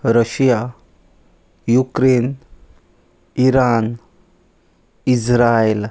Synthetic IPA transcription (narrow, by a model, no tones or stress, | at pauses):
ɾəɕja | jukɾen | iɾan | isɾael